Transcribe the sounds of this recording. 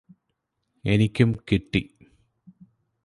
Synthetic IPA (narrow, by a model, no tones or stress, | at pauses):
enikʲːumkiʈːi